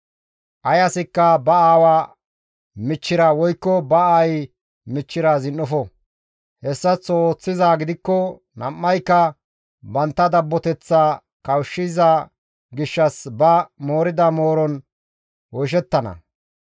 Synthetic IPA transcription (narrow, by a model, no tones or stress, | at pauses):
ʔɐjɐsɪkːɐbɐaːwaː | mɪt͡ʃːɪɾawɔjkːɔbɐaj | mɪt͡ʃːɪɾaːzɪnːɔfɔ | hɛsːɐt͡soːt͡sːɪzaːɡɪd̪ɪkːɔ | nɐmːɐjkːɐ | bɐnt̪ːɐd̪ɐbːɔt̪ɛt͡sːa | kɐwʃːɪza | ɡɪʃːɐsbɐmoːɾɪd̪ɐmo̞ːɾɔn | wɔjʃ̬ɛt̪ːɐnɐ̰